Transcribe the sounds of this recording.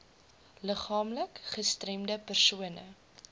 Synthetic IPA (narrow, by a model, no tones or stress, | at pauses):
ləχɑːmləkχəstrɛmdəpərsuənə̰